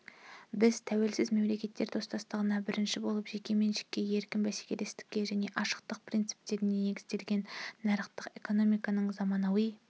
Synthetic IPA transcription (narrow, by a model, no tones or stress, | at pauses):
bɪz̥t̪ʰæwe̞lsɪzme̞mle̞kʲe̞t̪ːe̞ɾt̪ʰo̞st̪ɑst̪əʁənɑbɪɾɪnʃɪbo̞lˠəpʒe̞kʲe̞me̞nʃɪ̥kʲːe̞je̞ɾkʲɪmbæse̥kʲe̞le̞st̪ɪ̥kʲːe̞ʒæne̞ʔɑʃə̥q̚t̪əq̚print̪si̥p̚t̪e̞ɾɪne̞ne̞ɡʲɪzd̪e̞lɡʲe̞nːɑɾəqt̪əqe̞ko̞no̞mijkɑnəɴzɑmɑnɑwəj